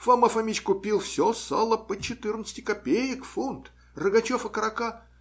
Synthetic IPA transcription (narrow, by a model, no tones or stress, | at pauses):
fɐməfɐmʲit͡ɕʲkʊpʲilˠfsʲosalˠəpət͡ɕːɪt̪ɨrnət̪sə̥tʲɪ̥kɐpʲejəkfunt̪ | rɨɡɐt͡ɕofɐkəɾɐka